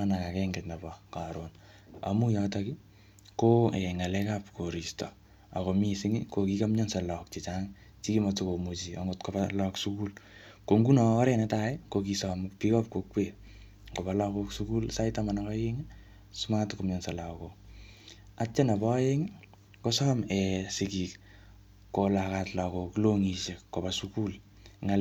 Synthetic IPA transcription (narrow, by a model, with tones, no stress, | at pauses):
ana˨ka˨kɛŋɡɛtna˨bɔka˨ɾon | a̰mujɔtaki | ko˦eŋa˨lɛ˦kap̚ko˨ɾi˨stɔ̰˨ | a̰˨ko˨mi˦sɪŋɪkokika˦mɲɔnsa˨lɔ˨k̚t͡ʃi˨t͡ʃaŋ | t͡ʃi˦kimɔtoko˨mo˨t͡ʃia̰ŋotko˨balɔksuku˦lkoŋɡu˦naː˨˦ɾɛnɛtaekok̬isɔmpi˦kɔ˦p̚kokwe˨ | ko˨ba˨lɔ˧koksuku˦lsa˦itamanakɔje˦ŋ | su˦matkomɲɔ˨nsa˨la˨ko | a˦t͡ʃːe˦na˨bɔ˦je˦ŋ | kosɔː˦mɛ˨sɪki˨k | ko˨lakatla˨ko˨ki˦loŋi˨ʃe˨kːo˨ba˨suku˦l | ŋa